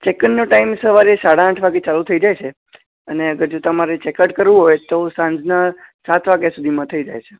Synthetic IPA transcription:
t͡ʃekənːũʈaimsəʋaɾesaɽaːʈʰʋaɡet͡ʃalut̪ʰəid͡ʒajt͡ʃʰe | əneəɡəɾd͡ʒot̪əmaɾet͡ʃekəʈkəɾʋũɦojt̪osãɲd͡ʒnasat̪ʰʋaɡjasud̪ʱimãt̪ʰəid͡ʒa̰jt͡ʃʰe

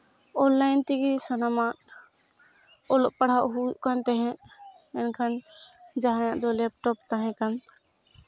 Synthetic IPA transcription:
ɔnlajnt̪iɡɾisanamaʔ | ɔlɔʔpaɽ̤aʔɦuuʔkant̪ɛɦɛ̃ʔ | ɛnkʰand͡ʒaɦajãʔd̪ɔlɛp̚ʈɔpt̪aɦɛ̃kan

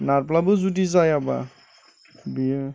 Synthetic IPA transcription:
naɾplabɯzutizajaba̰ | bia

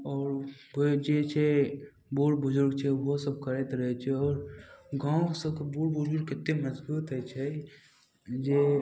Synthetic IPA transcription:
ɔːɾbod͡ʒet͡ʃʰe | buːɽbʊd͡ʒʊɾɡt͡ʃʰɛʋosəb̚kəɾet̪ɾəɦɛt͡ʃʰɛɔːɾɡãːõksəb̚kebuːɽbʊd͡ʒʊɾɡkɪt̪ːemɐzbuːt̪ɦɛt͡ʃʰɛ | d͡ʒe

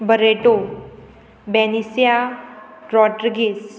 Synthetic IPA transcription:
bəɾeʈo | bɛnisja | ɾɔʈəɾɡis

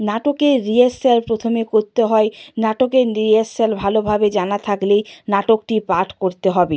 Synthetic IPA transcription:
naʈokeɾieselpɾot̪ʰomekoɾt̪eɦɔenaʈokeɾieselbʱalobʱabed͡ʑanat̪ʰaklejnaʈok̚ʈipaʈʰkoɾt̪eɦɔbe

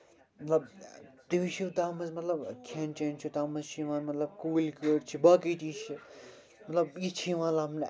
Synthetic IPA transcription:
mɐt̪lɐbt̪iʋit͡ʃʰit̪aːmɐzmɐt̪lɐbkʰant͡ʃent͡ʃʰut̪aːmɐzt͡ʃʰiʋãːnmɐt̪lɐb̚kuːlkəːɖt͡ʃʰibaːkit͡ʃiːt͡ʃʰi | mɐt̪lɐbit͡ʃʰiʋãːnlaːmn

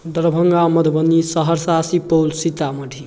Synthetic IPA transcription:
d̪əɾbʱəŋɡamʌd̪ʱbənːisəɦəɾsasipolsit̪aməɖʱi

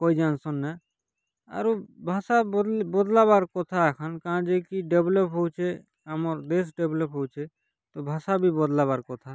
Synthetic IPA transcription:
koid͡ʒansɔnːɛ | a̰ɾubʱasabɔd̪labaɾkɔt̪ʰaɛkʰankããd͡ʒekiɖeblɔpɦowt͡ʃʰe | amɔɾd̪es̬ɖeblɔpɦowt͡ʃʰe | t̪ɔbʱasabʱibɔd̪laβaɾkɔt̪ʰa

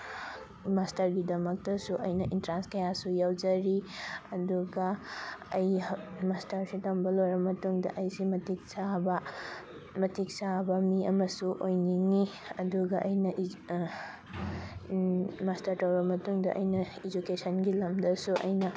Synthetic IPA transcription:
mastɐɾɡidɐmɐk̚tɐsuʔɐjnɐʔintɾanskɐjasujawd͡ʒɐɾiɐduɡɐɐjmastɐɾsitombɐlojɾɐmɐtuŋdɐʔɐjsimɐtik̚sabɐ | mɐtik̚sabɐmiɐmɐsuʔojniŋiɐduɡɐʔɐjnɐʔ | mastɐɾtɐwɾɐmɐtuŋdɐ̰ʔɐjnɐid͡ʒukesɐnɡilɐmdɐsuʔɐ̰jnɐ

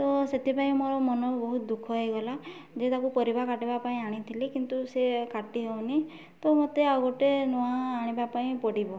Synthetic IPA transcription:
t̪ɔset̪ʰipaĩmoɾɔmɔnɔbɔɦut̪d̪ukʰɔɦejɡɔla | d͡ʒet̪akupɔɾibʱakaʈibapaĩaɽ̃it̪ʰilikint̪usekaʈiɦew̃ni | t̪ɔmot̪eawɡɔʈenuaːɽ̃ibapaĩpɔɽibɔ

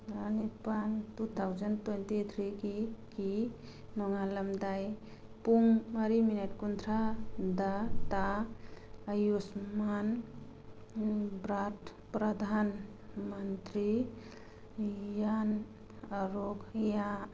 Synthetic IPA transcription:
ənipand̪ut̪ʰawd͡ʒənt̪wentit̪ʰɾikiki | nɔŋaləmd̪aj | puŋəɾimineʈkund̪ɾad̪at̪a | əjusman | bɾaʈʰ | pɾəd̪ʱan | mənt̪ɾi | jan | əɾoɡja

